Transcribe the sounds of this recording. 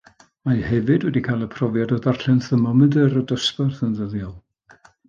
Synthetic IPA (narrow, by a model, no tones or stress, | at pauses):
mahɛvɨdwɛdikʰajlˠəpʰrɔvjadɔðarɬɛnθəmɔmɨðəɾədəspərθənðəðjɔlˠ